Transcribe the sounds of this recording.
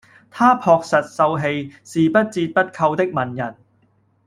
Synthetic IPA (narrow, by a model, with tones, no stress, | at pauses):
t̪ʰaː˥pʰɔː˨˧k̚sɐ˨t̚sɐ˧wɦe˧jsiː˨pɐ˥t̚t͡siː˧t̚pɐ˥t̚kʰɐ˧wt̪ɪ˥k̚mɐ˨˩njɐ˨˩n